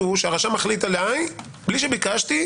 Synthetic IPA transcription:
uʃeaʁaʃamaχlit̪alaj | bliʃ̬ebikaʃt̪i

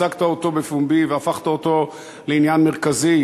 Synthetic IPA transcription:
akt̪aot̪o̞befumbiveafaχt̪aot̪o̞ | leinjanmeʁkazi

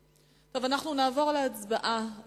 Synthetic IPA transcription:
to̞vanaχnunaːvo̞ʁleat͡sbaʔa

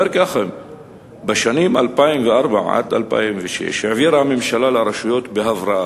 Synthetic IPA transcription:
eɾkaxem | beʃanimalpaimveaɾbaʕa̰t̪ʔalpa̰imveʃḛʃaʕviɾhamemʃalalaɾeʃujot̪beɦavɾɑʔa

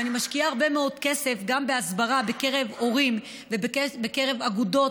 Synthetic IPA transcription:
animaʃkiaaʁbe̞meo̞dke̞se̞fɡambe̞asbaʁabe̞ke̞ʁe̞vo̞ʁim | vebekbeke̞ʁe̞vaɡudo̞

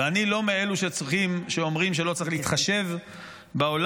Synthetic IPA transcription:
anilo̞mee̞luʃet͡sʁiχimʃeo̞mʁimʃ̬e̞lo̞t͡saʁiχleiit̪χaʃe̞v | beol

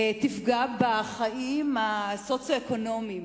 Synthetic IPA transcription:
tifɡabaχaʔimasot͡sjoeko̞no̞mim

